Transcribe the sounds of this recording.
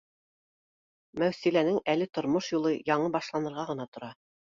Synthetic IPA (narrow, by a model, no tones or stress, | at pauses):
mæwsilænɘŋælɘt̪ŏɾmoʃjulˠɤjɑɴɤbɑʃlˠɑnɤ̆ɾʁɑʁɤ̆nɑt̪ŏɾɑ